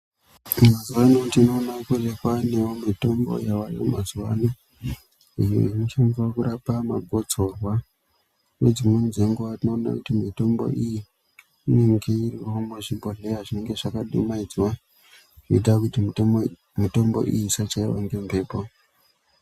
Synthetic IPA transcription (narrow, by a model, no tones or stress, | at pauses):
mazuwanotino̞ːnakurekwanewomito̞mbo̰jawajo̰mazuwano | ijo̰inut͡ʃaɱvakuɾapama̰ɡʱo̞d͡zo̞rwa | we̞d͡zimwenid͡ze̞ŋɡuʋatino̞ːna̰kutimito̞mbo̰ʔiji | ine̞ŋɡe̞iriwo̞muʐimbʱoɮe̞aʐine̞ŋɡe̞ʐakaɗumaid͡zwa | ʐeit̬akuti | mito̞mbo̞̰ʔḭjisat͡ʃaiwa̰ŋɡe̞mpe̞ːpo